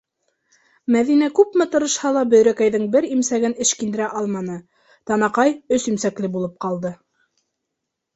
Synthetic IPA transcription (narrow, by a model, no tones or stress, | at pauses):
mæðinækʉpmɘt̪ɤ̆ɾɤ̆ʃhɑlˠɑbɵ̆ðɾækæjðɘŋbɘɾimsæɡɘnɘ̆ʃkind̪ɘ̆ɾæʔɑlˠmɑnɤ | t̪ɑnɑqɑjɵsimsæklɘbulˠɤp̚qɑlˠd̪ɤ